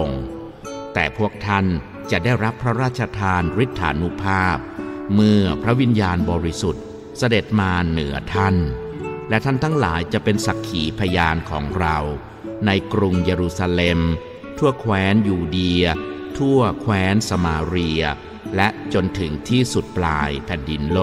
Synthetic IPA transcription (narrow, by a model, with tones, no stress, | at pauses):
o˨˧ŋ | t̪ɛː˨˩pʰu˥˩ək̚t̪ʰa˥˩n | t͡ɕa˨˩daː˥˩jɾa˦˥pʰːɾa˦˥ɾaː˥˩t̪̚t͡ɕʰa˧t̪ʰaː˧nɾi˦˥t̪ʰːa̰ː˩˦nu˦˥pʰaː˥˩p̚mɯ˥˩ɐpʰɾa˦˥wi˧njaː˧nbɔː˧ɾi˦˥su˨˩t̪̚ | sa˧de˨˩t̪̚maː˧nɯ˩˦ɐt̪ʰa˥˩nlɛ˦˥˩t̪ʰa˥˩nt̪ʰaː˥˩ŋla̰ː˩˦jt͡ɕa˨˩ʔpe˧nsa˨˩kʰːiː˩˦pʰa˧jaː˧nkʰɔ̰ː˩˦ŋɾa˧w | na˧jkɾu˧ŋjeː˧ɾuː˧saː˧le˧m | t̪ʰu˥˩ɐkʰwɛː˦˥njuː˧di˧ɐt̪ʰu˥˩ɐkʰwɛː˦˥nsa˧maː˧ɾi˧ɐ | lɛ˦˥ʔt͡ɕo˧nt̪ʰɯ˩˦ŋt̪ʰiː˥˩su˨˩t̪̚plaː˧jpʰɛ˨˩ndi˧nlo˥˩